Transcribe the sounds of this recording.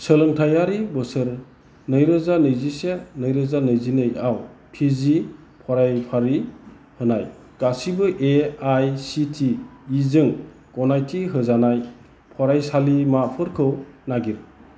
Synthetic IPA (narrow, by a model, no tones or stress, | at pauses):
səlɯŋtʰajaɾibɯsɯɾ | nɯjɾɯzanɯjzisenɯjɾɯzanɯjzinɯjawpʰizi | pʰɔɾajpʰaɾi | hɯnaj | ɡ̥asibɯʔeajsitʰiːzɯŋ | kɔnajtʰiɦɯzanaj | pʰɔɾajsalimapʰɯɾkʰɯwnaɡiɾ